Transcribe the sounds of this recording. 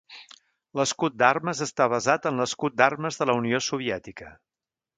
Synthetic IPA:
ləskut̪̚d̪arməzəst̪aβ̞əzat̪ənləskut̪̚d̪arməzðələuniosuβ̞iɛt̪ikə

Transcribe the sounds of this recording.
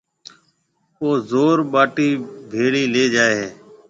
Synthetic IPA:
oːzoːɾɓaːʈiːbʱeːɽiːleːd͡ʒaːeɦeː

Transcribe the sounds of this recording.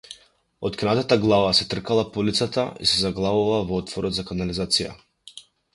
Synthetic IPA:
ɔt̪knat̪at̪aɡlˠavasɛt̪r̩kalˠapɔlit̪sat̪aḭsɛzaɡlˠavuvavɔɔt̪vɔɾɔd̪zakanalizat̪sija̰

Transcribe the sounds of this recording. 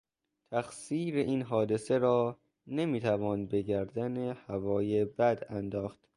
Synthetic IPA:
t̪ʰæxsiːɾeʔiːnɦɒːd̪ese̞ɾɒː | nemiːt̪ʰævɒːnbe̞ɟæɾd̪ænehævɒːjebæd̪ænd̪ɒːxt̪

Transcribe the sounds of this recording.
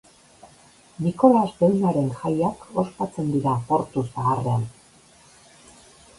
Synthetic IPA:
niko̞lasbe̞wnaɾe̞nxajako̞spat͡se̞nd̪iɾapo̞ɾt̪usaɣarean

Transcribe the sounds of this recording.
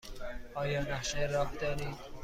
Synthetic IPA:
ʔɒːjɒːnæχʃejɾɒːhd̪ɒːɾiːd̪̥

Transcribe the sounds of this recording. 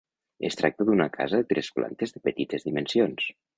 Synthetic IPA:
ḛst̪ɾak̚t̪əðunakʰa̰zaðet̪ɾespla̰nt̪ezðəpət̪it̪ezðimensions

